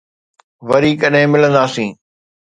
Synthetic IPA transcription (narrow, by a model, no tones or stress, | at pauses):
ʋɐɾiːkɐɗɦɪ̃mɪlə̃nd̪aːsĩː